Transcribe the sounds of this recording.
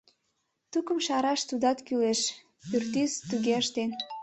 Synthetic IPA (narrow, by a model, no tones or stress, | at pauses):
t̪ukəmʃɑɾɑʃt̪ud̪ɑt̪kyleʃ | pyrt̪yzt̪yɣeəʃt̪en